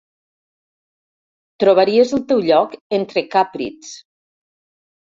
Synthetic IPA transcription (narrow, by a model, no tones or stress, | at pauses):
t̪ɾoβ̞aɾiezəlˠt̪ewʎɔkent̪ɾekapɾḭt͡s